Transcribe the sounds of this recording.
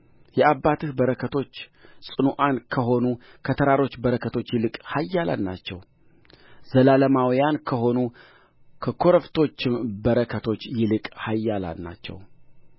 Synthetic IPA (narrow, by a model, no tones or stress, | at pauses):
jɛʔabːat̪ʰɨhbəɾəkʰət̪ʰo̞t͡ʃːsʼɨnuʔankʰəɦo̞nukʰət̪ʰəɾaɾo̞t͡ʃːbəɾəkʰət̪ʰo̞t͡ʃːjɪlɨkʼhajːala̰nːa̰t͡ʃːɛ̰w | zəlaləmawjankʰəɦo̞nu | kʰəkʰo̞ɾəft̪ʰo̞t͡ʃːɪmbəɾəkʰət̪ʰo̞t͡ʃːjɪlɨkʼhajːala̰lna̰t͡ʃːɛ̰w